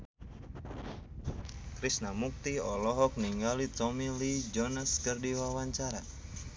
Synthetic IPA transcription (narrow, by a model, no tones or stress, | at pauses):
kɾisnamuk̚t̪iɔlɔɦɔk̚niŋɡalit̪ɔmilid͡ʒɔnaskərdiwawaɲt͡ʃaɾa